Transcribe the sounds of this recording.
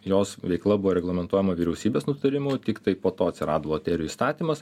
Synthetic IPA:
joːsʋʲɛɪklˠɐbʊʋoːɾʲɛɡlˠɐmʲɛnt̪uɔjɛmɐʋʲiːɾʲɛʊsʲiːbʲeːsnʊt̪ɐɾʲɪmʊt̪ʲɪkt̪ɐɪpoːt̪oːɐt̪ʲsʲɪɾɑːd̪oʋoːt̪ʲɛːɾʲɪjʊist̪ɑːt̪ʲiːmɐs

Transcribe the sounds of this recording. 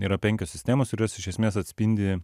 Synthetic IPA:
iːɾɐpʲɛŋʲkʲoːssʲɪ̥sʲt̪ʲæːmoːskʊɾʲoːsɪʃʲɛsʲmʲeːsɐt̪ʲsʲpʲinʲd̪ʲɪ

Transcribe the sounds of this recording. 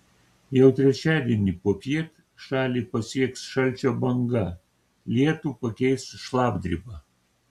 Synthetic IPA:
jɛʊt̪ʲɾʲɛt͡ʃʲæːd̪ʲiɛnʲiːpoːpʲiɛt̪ | ʃɑːlʲiːpɐsʲiɛksʃɐlʲt͡ʃʲoːbɐŋɡɐ | lʲiɛt̪upɐkʲɛɪsʃlˠɑːbd̪ʲɾʲibɑ

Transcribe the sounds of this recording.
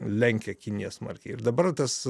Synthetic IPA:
lʲɛŋʲkʲɛkʲinʲɪjɛsmɐ̰ɾʲkʲɛɪɪrd̪ɐbɐrt̪ɐs

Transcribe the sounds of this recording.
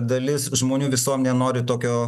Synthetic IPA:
d̪ɐlʲɪsʒmoːnʲuːʋʲɪsuɔmnʲɛnoːɾʲɪt̪oːkʲoː

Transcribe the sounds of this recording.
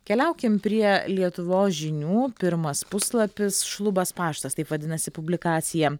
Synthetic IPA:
kʲɛlʲɛʊkʲɪmpʲɾʲiɛlʲiɛt̪ʊʋoːsʒʲɪnʲuːpʲɪɾmɐspʊslˠɐpʲɪsʃlˠʊbɐspɑːʃt̪ɐst̪ɐɪpʋɐd̪ʲɪnɐsʲɪpʊbʲlʲɪkɑːt̪sʲɪjɛ

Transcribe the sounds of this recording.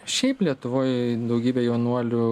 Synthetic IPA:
ʃʲɛɪplʲiɛt̪ʊʋoːjd̪ɐʊɡʲiːbʲɛjɛʊnuɔlʲʊ

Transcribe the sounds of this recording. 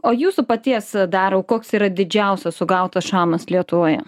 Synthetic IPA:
oːjuːsʊpɐt̪ʲiɛsd̪ɑːɾoːkoːksiːɾɐd̪ʲɪd͡ʒʲɛˑʊsʲɛssʊɡɐʊt̪ɐsʃɑːmɐslʲiɛt̪ʊʋoːjɛ

